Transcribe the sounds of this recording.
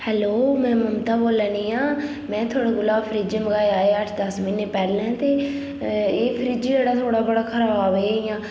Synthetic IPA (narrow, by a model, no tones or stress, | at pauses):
hɛːloːmɛ̃ːməmt̪aːboːlɛ̃ːniːãː | mɛ̃ːt̪ʰoːɽaːɡʊlaːbpʰəɾiːd͡ʒəməɡaːeaːeəʈʰd̪əsmɪnːeːpɛːɾlɛ̃ːt̪eː | eːpʰəɾiːd͡ʒd͡ʒeːɽaːt̪ʰoːɽaːbəɽaːkʰəɾaːbaːbeːijãː